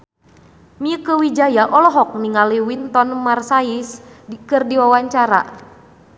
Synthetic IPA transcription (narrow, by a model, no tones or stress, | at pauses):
miəkəwid͡ʒajaʔɔlɔɦɔk̚niŋaliwint̪ɔnmarsaiskɨrdiwawaɲt͡ʃaɾa̰